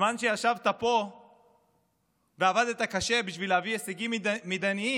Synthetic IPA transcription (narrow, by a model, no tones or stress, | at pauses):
manʃeaʃavt̪apo̞ | veavad̪et̪akaʃe̞biʃvileavieseɡimmed̪anii